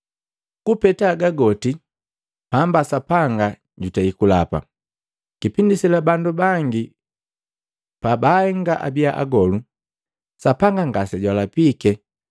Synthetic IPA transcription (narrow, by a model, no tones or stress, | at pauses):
kupɛtaːɡaɡɔti | pambasapaŋɡa | ɟutaikulapa̰ | kipindisilabandubaŋɡi | pabahɛŋɡaʔa̰biaʔa̰ɡɔlu | sapaŋɡaŋɡasɛɟwalapikɛ